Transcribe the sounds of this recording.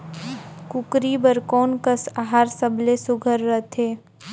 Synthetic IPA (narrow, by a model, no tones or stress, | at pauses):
kʊkɾibəɾkɔːnkəsaɦaːɾsəblesʊɡʱəɾːət̪ʰeː